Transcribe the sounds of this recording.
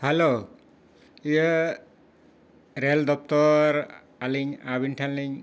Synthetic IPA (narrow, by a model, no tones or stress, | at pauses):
hɛlo | ijə | ɾeld̪ɔp̚t̪ɔɾ | aliɲabinʈʰanliɲ